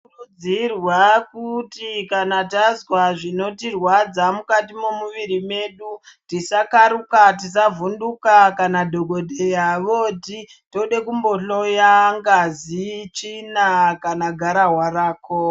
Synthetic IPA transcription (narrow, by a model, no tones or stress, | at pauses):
urud͡zirwakutikanatazwaʐino̞tirwad͡zamukatimo̞muʋiɾime̞ɗutisakaɾukatisavundukakanadʱo̞ɡʱo̞dʱe̞jaʋoti | toɗe̞kumbo̞ɬo̞jaŋɡazit͡ʃinakanaɡʱaɾaɦwaraːko